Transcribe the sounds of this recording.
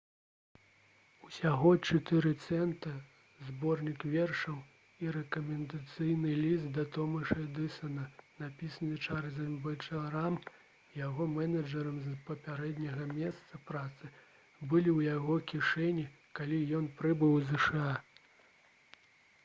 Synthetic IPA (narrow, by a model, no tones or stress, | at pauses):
usʲaɣɔt͡ʂɨt̪ɛɾɨt̪sɛnt̪ɐ | zbɔrnʲikvʲɛrʂɐw | iɾɛkɐmʲɛnd̪at̪sɨjnɨlʲist̪̚d̪ɐt̪ɔmɐʂɐd̪ɨsɐnɐnapʲisɐnɨt͡ʂaɾzʲɐmbɐt͡ʂɐɾam | jaɣɔmɛnɐd͡ʐɐɾɐmzpɐpʲaɾɛd̪nʲɐɣɐmʲɛst̪sɐpɾat̪sɨ | bɨlʲiwjaɣɔkʲiʂɛnʲi | kalʲijɔnpɾɨbɨwzɛʂɨa